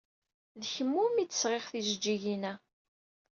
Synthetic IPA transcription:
ðçəmːumit͡sːə̥sʁeʁθiʒəd͡ʒːiʝinæ

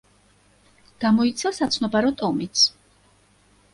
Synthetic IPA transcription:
ɡ̥amɔit̪sʰasat̪sʰnɔbaɾɔt̪ʼɔmit̪sʰ

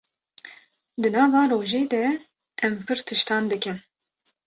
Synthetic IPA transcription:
d̪ɨnɑːvɑːɾoːʒeːd̪ɛ | ʔɛmpʰɨɾt̪ʰɨʃt̪ɑːnd̪ɨkɨn

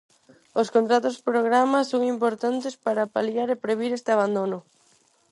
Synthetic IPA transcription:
oskõnt̪ɾat̪ospɾoɣɾamasoŋimpoɾt̪ant̪espaɾapaljaɾepɾeβ̞iɾest̪eaβ̞and̪onʊ

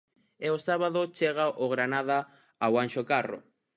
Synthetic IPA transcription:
eosaβaðot͡ʃeɣaʔoɣɾanaða | awanʃokaro̰

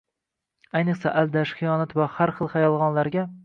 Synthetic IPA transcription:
ajnɨqsaʔald̪aʃχɨjɒnat̪vahaɾχɨlˠχajɒlˠʁɒnlaɾɡʲa

